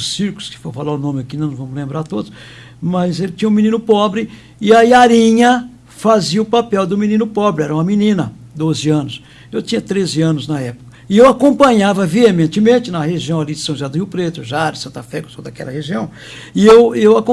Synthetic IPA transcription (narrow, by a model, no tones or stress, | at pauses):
ʊssiɾkʊ̥skɪ̥foɾfalaɾʊnõmɪakinɐ̃w̃vɐ̃mʊzlẽmbɾaɾt̪od̪ʊs | mɐzelɪt͡ʃĩɲɐ̃ʊ̃minĩnʊpɔbɾɪ | ɪaiaɾĩɲɐ | faziɐʊpapɛwd̪ʊminĩnʊpɔbɾɪɛɾɐũmɐminĩnɐ | d̪ozɪɐ̃nʊs | ewt͡ʃ̪ĩɲɐt̪ɾezɪɐ̃nʊznɐɛpʊ̥kɐɪewakõpɐ̃ɲavɐviemẽnt͡ʃ̪ɪmẽnt͡ʃɪnɐheʒiɐ̃w̃alid͡ʒɪsɐ̃w̃ʒad̪ʊhiwpɾet̪ʊʒaɾʊsɐ̃nt̪ɐfɛkʊ̥sõd̪akɛ̰lɐheʒiɐ̃w̃ | ɪewewakõ